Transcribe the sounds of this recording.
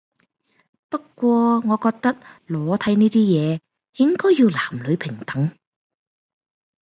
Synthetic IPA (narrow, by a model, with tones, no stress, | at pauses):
pɐ˥kʷːwʷɔː˧ŋɔː˨˧kɔː˧k̚t̪ɐ˥k̚lɔː˨˥t̪ʰɐ˨˥jniː˥t̪iː˥jɛː˨˧ | jɪ˥ŋkɔː˥jːiː˧wlaː˨˩mlɵ˨˧ɥpʰɪ˨˩ŋt̪ɐ˨˥ŋ